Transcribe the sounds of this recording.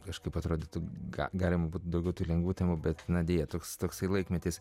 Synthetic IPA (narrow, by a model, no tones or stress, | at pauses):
kɐʃkɐɪpɐt̪ɾoːd̪ʲɪt̪ʊɡɑ̰ɡɑːlʲɪmɐbuːt̪d̪ɐʊɡʲɛʊt̪uːlʲɛŋɡʋuːtʲæːmʊbʲɛt̪nɐd̪ʲeːjɛt̪oːkst̪oːksɐɪlˠɐɪkmʲɛt̪ʲɪs